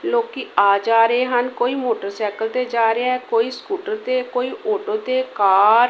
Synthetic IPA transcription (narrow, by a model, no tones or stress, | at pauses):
loːkiːaːd͡ʒaːɾeːɦənkoːiːmoːʈəɾsɛːkəlt̪eːd͡ʒaːɾeaɛːkoːiːskuːʈəɾt̪eːkoːiːʔoːʈoːt̪eːkaːɾ